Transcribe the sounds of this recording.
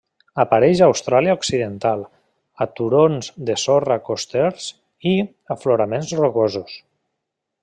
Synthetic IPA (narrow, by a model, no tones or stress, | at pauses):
apaɾɛʒawst̪ɾaliaoksiðent̪alˠ | at̪uɾonzd̪esorakost̪ɛɾz | i | afloɾamenzroɣozus